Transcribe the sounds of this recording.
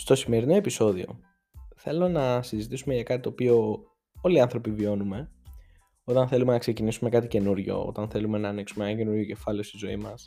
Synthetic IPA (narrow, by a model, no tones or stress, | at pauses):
st̪o̞sime̞ɾino̞episo̞ðio̞̰ | θe̞lo̞nɐsizit̪isumeʝɐkɐt̪it̪o̞ːpio̞ | o̞liɐnθɾo̞pivio̞nume̞ | o̞t̪ɐnθe̞lume̞nɐkse̞cinisume̞kɐt̪ice̞nuɾʝo̞̰o̞̰t̪ɐnθe̞lume̞nɐːniksumekɐt̪ce̞nuɾʝoce̞fɐleost̪izo̞imɐs